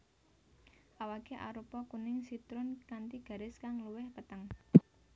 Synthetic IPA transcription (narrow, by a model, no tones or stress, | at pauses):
ʔawaɡ̥e̤ʔa̰ɾupɔkunɪŋsit̪ɾʊnkant̪iɡ̥ä̤ɾɪskaŋluwɪhpət̪əŋ